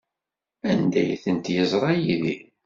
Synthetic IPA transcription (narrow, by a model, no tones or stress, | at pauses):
ænd̪æjθənt̪jəzˤɾˤɑjiði